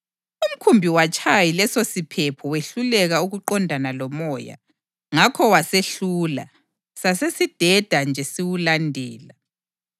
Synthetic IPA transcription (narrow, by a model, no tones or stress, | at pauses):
um̩kʰumbʱiwat͡ʃʼʰajilɛsosipʰɛpʰɔweɬulɛɣauɣuǃɔndʱanalɔmɔja̰ | ŋakʰɔwaseɬuːla̰ | sasesid̥ʱɛd̥ʱand͡ʒʱɛsiwulandʱɛːla